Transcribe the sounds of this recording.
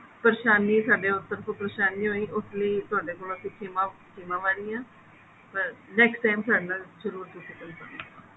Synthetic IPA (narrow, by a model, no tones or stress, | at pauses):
pɾeʃaːnːĩːsaːɖeʊt̪ːəɾkʰʊpɾəʃaːnːĩːɦoːiːʔʊt̪ʰliːt̪ʊaːɖeːkoːlat̪ikʰema | kɪmãːʋaːɾiːaː | pəɾnɛːksʈaːjmsaːɖnãːd͡ʒəɾuːɾt̪ʊsĩːk̪ənkə̰a